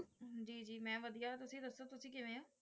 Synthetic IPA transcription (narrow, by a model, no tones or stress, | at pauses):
d͡ʒiːd͡ʒiːmɛ̃ːʋəd̪ijaːt̪ʊsĩːd̪əsːoːt̪ʊsĩːkɪʋẽːãː